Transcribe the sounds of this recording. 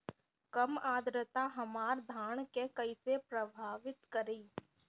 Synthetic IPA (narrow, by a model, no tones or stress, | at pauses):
kəmaːd̪ɾət̪aɦɐmaːɾd̪ʱaːɳ̃kekɐisepɾəbʱaːʋɪt̪kəɾiː